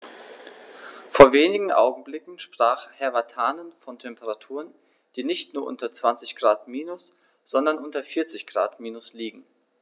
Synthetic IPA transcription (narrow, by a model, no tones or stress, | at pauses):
foːɐveːnɪɡŋ̩ʔa̰ʊɡŋ̩blɪkŋ̩ʃpʁ̥aːχhɛɐvatʰaːnənfɔntʰɛmpəʁatʰuːʁən | d̥iːnɪçtnuːɐʔʊ̰ntɐt͡sv̥ant͡sɪçɡ̥ʁaːtmiːnʊs | z̥ɔndɐnʔʊntɐfɪɐt͡sɪçɡ̥ʁa̰ːtmiːnʊsliːɡŋ̩